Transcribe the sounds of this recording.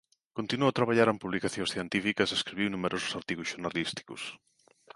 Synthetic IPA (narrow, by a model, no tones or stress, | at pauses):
kont̪inuot̪ɾaβaʎaɾempuβlikaθjõŋsθjent̪ifikɐseskɾiβiwnumeɾʔosʊ̥saɾt̪iɣʊsʃuɾnalist̪i̥kʊ̰s